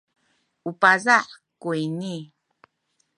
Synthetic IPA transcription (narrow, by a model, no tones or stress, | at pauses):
upazaʔ | kujni